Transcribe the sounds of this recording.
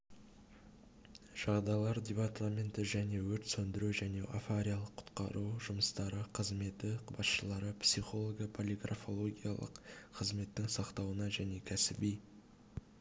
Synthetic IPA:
ʒ̥ɑʁd̪ɑjlˠɑɾd̪ʲe̞part̪ʰamʲe̞nt̪ɪʒæne̞wɵɾt̪sɵnd̪ɪɾuʒæne̞ʔafaɾʲijalˠəqʰːʊ̥t̪qɑ̰ɾuʒʊməst̪ɑɾəqʰəzme̞t̪ɪbɑsʃəlˠɑɾəpsiχo̞lˠoɡʲɑpʰolʲiɡra̰fo̞lˠo̞ɡʲija̰lˠə̰qʰəzme̞t̪ːɪŋsɑqt̪ɑwənɑʒæne̞kʲʰæsɪbij

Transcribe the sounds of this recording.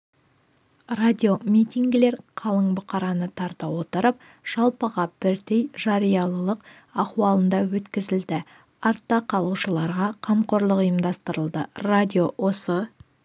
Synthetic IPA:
rad̪ʲio̞mit̪ʲiŋɡʲɪle̞ɾqʰɑlˠəɴbʊqɑɾɑnət̪ʰɑɾt̪əwo̞t̪əɾəp̚ | ʒ̥ɑlˠpəʁɑb̥ɪɾd̪ejʒɑɾijɑlˠəlˠəq | ɑχwɑlˠənd̪ɑwɵt̪kʲɪzɪld̪ɪ | ɑɾt̪ːɑqʰɑlˠuʃəlˠɑɾʁɑqʰɑmqo̞ɾlˠəqʊjəmd̪ɑst̪əɾəlˠd̪əradʲio̞wo̞sə

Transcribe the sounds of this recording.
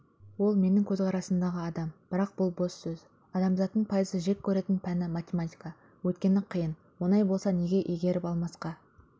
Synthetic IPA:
wo̞lˠme̞nɪŋkʲʰɵzqɑɾɑsənd̪ɑʁəɑd̪ɑmb̥ɪɾɑq̚b̥ʊlˠbo̞sːɵz̥ | ɑd̪ɑmzɑt̪ːəɴpʰɑjəzəʒe̞k̚ʲʰːɵɾe̞t̪ɪnpʰænɪmat̪ʲemat̪ʲijka | wɵt̪kʲe̞nɪqʰəjən | wo̞nɑjbo̞lˠsɑne̞ɡʲe̞ʔeɡʲe̞ɾɪpɑlˠmɑsqɑ

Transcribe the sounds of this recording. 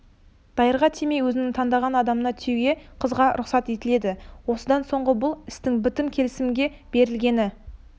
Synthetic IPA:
d̪̥ɑjəɾʁɑt̪ʰemejwɵzɪnɪŋt̪ʰɑnd̪ɑʁɑnɑd̪ɑmənɑt̪ʰewɡʲe̞qʰəzʁɑɾʊqsɑt̪e̞t̪ɪle̞d̪ɪwo̞səd̪ɑnso̞ɴʁəbʊlˠɪst̪ɪŋbʏt̪ɪmkʲʰe̞lɪsɪmɡʲe̞ | b̥e̞ɾɪlɡʲe̞nɪ

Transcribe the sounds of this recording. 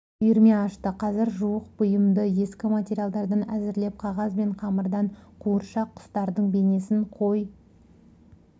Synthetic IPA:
ʏjɪɾme̞ɑʃt̪əqʰɑzɪɾʒuwəqbʊjəmd̪əje̞skʲɪmatʲeɾʲijalˠd̪ɑɾd̪ɑnæzɪɾle̞p̚qʰɑʁɑzbe̞ɴqʰɑməɾd̪ɑɴqʰuəɾʃɑqʰːʊ̥st̪ɑɾd̪əɴbe̞ne̞sɪɴqʰo̞j

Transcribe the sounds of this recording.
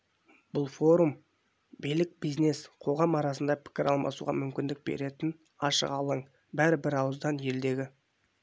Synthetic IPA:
b̥ʊlˠfo̞ɾum | bijlɪk̚bizne̞sqʰo̞ʁɑmɑɾɑsənd̪ɑpʰɪ̥kʲɪɾɑlˠmɑ̰sṵʁɑ̰mʏmkʲɪnd̪ɪk̚b̥e̞̰ɾe̞t̪ɪn | ɑʃə̰qɑlˠəɴ | bæɾɪbɪɾɑwəzd̪ɑnje̞ld̪e̞ɡʲɪ

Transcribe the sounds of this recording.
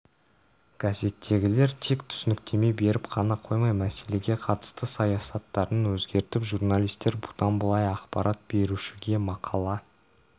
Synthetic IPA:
kʲʰæze̞t̪ʰːe̞ɡʲɪle̞ɾt̪ʰe̞kt̪ʰʏ̥sɪnɪkt̪ʰe̞me̞jbe̞ɾɪpqʰɑnɑqʰo̞jmɑjmæse̞le̞ɡʲe̞qʰɑt̪ə̥st̪əsɑjɑsɑt̪ːɑɾənwɵzɡʲe̞ɾt̪ɪpʒurnalʲˠijst̪e̞ɾbu̥t̪ɑnbəlˠɑjɑqpɑɾʔɑt̪̚b̥e̞ɾuʃɪɡʲe̞mɑqʰɑlˠɑ

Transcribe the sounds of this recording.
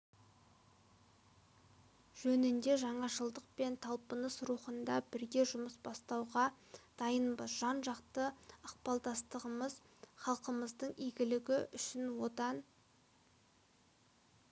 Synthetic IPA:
ʒ̥ɵnɪnd̪e̞ʒɑɴɑʒəlˠd̪əq̚pe̞nt̪ʰɑlˠpənəsɾuχənd̪ɑbɪɾɡʲe̞ʒʊməsbɑst̪ɑwʁɑ | d̪̥ɑjənbəʒ̥ɑnʒɑqt̪əəqpɑlˠd̪ɑst̪əʁəməz | χɑlˠqəməzd̪əɴiɡʲɪlɪɡʲɪʔʏʃɪnwo̞t̪ɑn

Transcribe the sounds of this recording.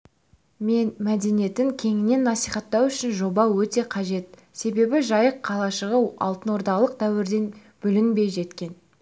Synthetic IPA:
me̞nmæd̪e̞nije̞t̪ɪŋkʲʰe̞ŋɪne̞nːɑsijχɑt̪ːɑwʏʃɪnʒo̞bɑwɵt̪e̞qʰɑʒe̞t̪ | se̞be̞bɪʒɑjəqʰːɑlˠɑʃəʁəɑ̰lˠt̪ənwo̞ɾd̪ɑlˠəq̚d̪æwɪɾd̪e̞n | b̥ʏlɪnbe̞jʒe̞t̪kʲe̞n

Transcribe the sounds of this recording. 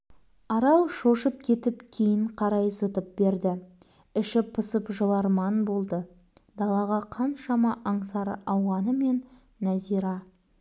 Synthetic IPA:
ɑɾɑlˠʃo̞ʃəp̚kʲʰe̞t̪ɪp̚kʲʰejɪɴqʰɑɾɑjsət̪əp̚be̞ɾd̪ɪ | ɪʃɪpʰəsəpʒəlˠɑɾmɑnbo̞lˠd̪ə | d̪ɑlˠɑʁɑqʰɑnʃɑmɑʔɑɴsɑɾə̰ɑwʁɑnəme̞nː | æziɾɑ

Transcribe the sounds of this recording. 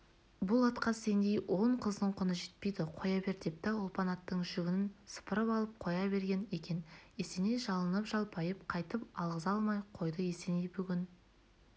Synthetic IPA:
bʊlˠɑt̪qɑse̞nd̪e̞jwʔo̞ɴqʰəzd̪əɴqʰʊnəʒe̞t̪̚pe̞jd̪ɪqʰo̞jɑbe̞ɾt̪ep̚t̪ɑʊlˠpɑnɑt̪ːəɴʒʏɡʲɪnɪnsə̥pəɾəpɑlˠəp̚qʰo̞jɑbe̞ɾɡʲe̞ne̞kʲe̞ne̞se̞ne̞ʒɑlˠənəpʒɑlˠpɑjəp̚qʰɑjt̪əpɑlˠʁəzɑlˠmɑjqʰo̞jd̪əe̞senebʏɡʲɪn

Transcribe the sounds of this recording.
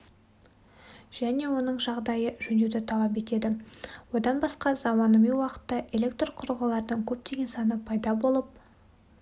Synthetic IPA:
ʒ̥æne̞wo̞nəɴʒɑʁd̪ɑjəʒɵned̪ɪt̪ʰɑlˠɑp̬e̞t̪e̞d̪ɪwo̞d̪ɑnbɑsqɑzɑmɑnəmiwɑqə̥t̪ːɑʔe̞le̞k̚t̪roqʰʊɾəʁɑlˠɑɾd̪əɴkʲʰɵp̚t̪e̞ɡʲe̞nsɑnəpʰɑjd̪ɑbo̞lˠəp̚

